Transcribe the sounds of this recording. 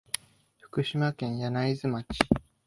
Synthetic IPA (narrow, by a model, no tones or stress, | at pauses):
ɸɯ̟̥kɯ̟ɕimakẽ̞ɰ̃janaizɨmat͡ɕi̥